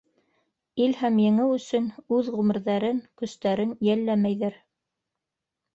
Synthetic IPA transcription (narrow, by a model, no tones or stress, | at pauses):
ilhæmjɘ̆ŋɘwɵ̆sɵnʉðʁʉmɘ̆ɾðæɾɘŋkɵ̆st̪æɾɘnjælːæmæjðæɾ